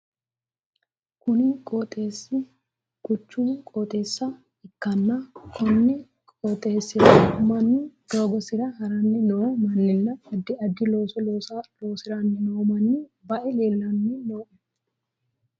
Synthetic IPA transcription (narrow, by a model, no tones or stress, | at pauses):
kʊnikʼoːt̪ʼe̞ːsːɪ | kʊt͡ʃːunkʼoːt̪ʼe̞ːsːɐ | ɪkːɐnːɐkʰɔnːɛ | kʼoːt̪ʼe̞ːsːɪɾɐmɐnːɪd̪̥o̞ːɡɔsɪɾɐhɐɾɐnːɪnomɐnːɪnːɐɐd̪ːɪɐd̪ːɪlo̞ːsɔloːsɐlo̞ːsɪɾɐnːɪnowmɐnːɪbɐʔɛle̞ːlːɐnːɪno̞ːʔɛ